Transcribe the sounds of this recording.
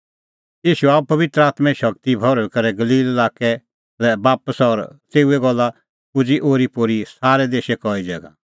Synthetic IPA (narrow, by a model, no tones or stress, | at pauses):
iːʃuaupɐʋɪt̪ɾəaːt̪mɛ̃ʃɐkt̪ibʱɔɾɔɛkɐɾɛɡɐliːlɪlaːkɛ | lɛbaːpəsɔɾt̪eːuɛɡɔlːa | ʊd͡ʒiʔoːɾipoːɾisaːɾɛd̪eːʃɛkɔːid͡ʒɛ̰ːɡã̰